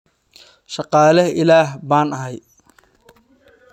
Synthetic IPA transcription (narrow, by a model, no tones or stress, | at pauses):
ʃɑqɑːlɐɪlaːɦbaːnɐɦɛj